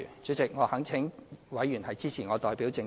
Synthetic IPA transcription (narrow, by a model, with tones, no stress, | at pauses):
t͡sɵ˨˥t͡sɪ˨k̚ŋɔː˨˧hɐ˨˥ŋt͡sʰɪ˨˥ŋwɐ˨˥jːyː˨˩nhɐ˨jt͡siː˥t͡sʰiː˨˩ŋɔː˨˧t̪ɔː˨˩jpiː˨˥wt͡sɪ˧ŋ